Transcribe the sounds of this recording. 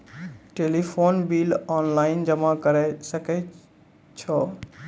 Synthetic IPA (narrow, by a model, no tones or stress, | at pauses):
ʈeːlifoːnbiːlɔːnlaːɪnd͡ʑɐmakɐɾesɐke | t͡ɕʰɔː